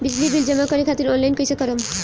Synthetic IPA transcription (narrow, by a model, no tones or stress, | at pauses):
bid͡ʑlibild͡ʒɔmakɔɾekʰat̪iɾɔnlajnkojsekɔɾɔm